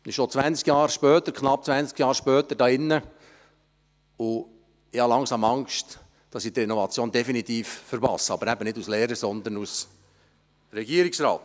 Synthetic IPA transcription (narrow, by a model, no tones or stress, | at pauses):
ɪʃot͡sʋænt͡skjɑːɾʃpœːt̪əɾkʰχnɑp̚t͡sʋænskjɑːɾʃpœːt̪ədɑːɪnːə | ʊ | ɪhɑlɑŋsɑːmɑŋʃt | d̥ɑsɪd̪əɪnovɑt͡sjoːndɛfinit̪iːffəɾbɑ̰səɑbəɾæbənɪduslɛːɾəsɔnd̪ənus | ɾɛɡiːəɾiksɾɑ̰ːt̪